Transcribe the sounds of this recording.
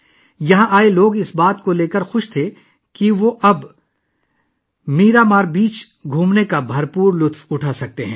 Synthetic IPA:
jɐɦãʔaːeloːɡɪsbaːt̪koleːkəɾxʊʃt̪ʰe | kiʋoʔɐb | miːɾaːmaːɾbiːt͡ʃ | ɡʱũːmnekabʱɐɾpuːɾlʊt̪ʰwʊʈʰaːsɐk̚t̪eɦɛ̃ː

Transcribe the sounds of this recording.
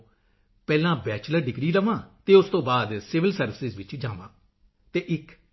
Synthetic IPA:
pɛːlãːbɛːt͡ʃləɾɖɪɡɾiːɾəʋãːt̪eːʊst̪õːbaːd̪sɪʋɪlsəɾʋɪsɪzʋɪt͡ʃd͡ʒãːʋã̰ː | t̪eːʔɪk

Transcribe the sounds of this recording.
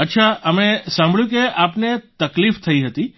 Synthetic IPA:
ətːʃʰaəmesãmbʱəɭjũkeʔapnet̪əklift̪ʰəiɦət̪i

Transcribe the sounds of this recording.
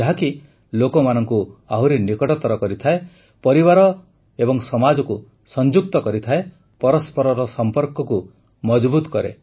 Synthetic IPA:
d͡ʒaɦaki | lokɔmanɔŋkuaɦwɾinikɔʈɔt̪ɔɾɔkɔɾit̪ʰae | pɔɾibaɾɔ | ebɔŋsɔmad͡ʒɔku | sɔnd͡ʒuk̚t̪ɔkɔɾit̪ʰae | pɔɾɔspɔɾɔɾɔsɔmpɔɾkɔku | mɔd͡ʒbut̪ɔ̥kɔɾḛ

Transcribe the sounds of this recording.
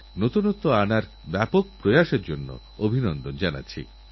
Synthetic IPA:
not̪unot̪ːoanaɾ | bɛpok̚pɾojaʃeɾd͡ʑonːo̰ | obʱinɔnd̪ond͡ʑana̰t͡ɕʰḭ

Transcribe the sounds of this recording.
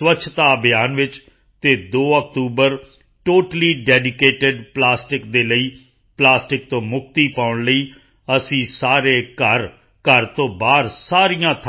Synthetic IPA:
ʋətːt͡ʃʰt̪aːbjaːnʋɪt͡ʃ | t̪eːd̪oːək̚ʈ̪uːbəɾ | ʈoːʈliːɖɛːɖɪkeːʈɪɖplaːsʈɪkd̪eːləiː | plaːsʈɪk̚t̪õːmʊk̚t̪iːpaːʊɳləiː | əsĩːsaːɾeːkəɾ | kəɾt̪õːbaːɾsaːɾijãːt̪ʰ

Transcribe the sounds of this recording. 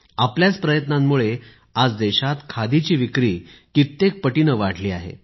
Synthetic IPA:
apljat͡spɾəjət̪namːuɭe | ad͡zd̪eɕat̪kʰad̪it͡ɕiːʋikɾiːkit̪ːek̚pəʈinəʋaɽ̤ʰliːa̰ɦḛ

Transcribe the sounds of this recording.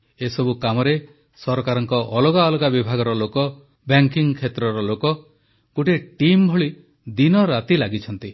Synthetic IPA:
esɔbukamɔɾe | sɔɾɔkaɾɔŋkɔʔɔloɡaɔlɔɡabibʱaɡɔɾɔlokɔ | baŋkiŋkʰet̪ɾɔɾɔlokɔ | kuʈeʈimbʱɔɭi | d̪inɔɾat̪ilaɡit͡ʃʰɔnt̪i

